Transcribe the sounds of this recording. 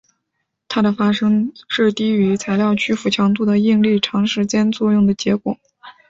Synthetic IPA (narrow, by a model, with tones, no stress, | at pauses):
t̪ʰa˥d̪ə˨fa˥ʂɤ˥ŋʂɻ̩˥˩t̪i˥y˧˥t͡sʰa˧˥ɪljɑ˥˩ʊt͡ɕʰy˥fu˨˩t͡ɕʰjɑ˧˥ŋt̪̬u˥˩d̪ə˩i˥˧ŋli˥˩ʈ͡ʂʰɑ˧˥ŋʂɻ̩˧˥t͡ɕjɛ˥nt͡swɔ˥˧jʊ˥˩ŋd̪ə˩t͡ɕjɛ˧˥kwɔ̰˨˩˦